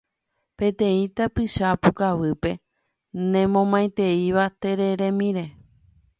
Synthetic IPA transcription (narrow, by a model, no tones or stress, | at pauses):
pẽ̞t̪ẽ̞ĩt̪apɨʃapukaʋɨpe̞ | nẽ̞mõ̞mãjt̪e̞iʋat̪e̞ɾeɾẽ̞mĩɾe̞